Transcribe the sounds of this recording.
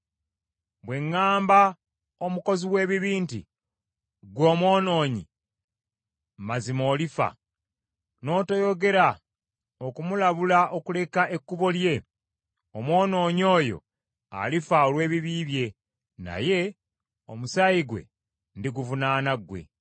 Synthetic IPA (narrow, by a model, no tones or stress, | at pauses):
βwe̞ŋːaːmba | o̞muko̞ziwe̞ːβiβiːnti | ɡwo̞ːmwo̞ːno̞ːɲḭ | mazimo̞ːlifa̰ | no̞ːtojo̞ɡe̞ɾa | okumulaβulaʔo̞kule̞kaekːuβo̞lje̞ | omwo̞ːno̞ːɲo̞ːjo̞̰ | a̰lifaolwe̞ːβiβiːβje̞ | na̰je̞ | o̞musaiɡwe̞̰ | ndiɡuvunaːnaɡwe̞̰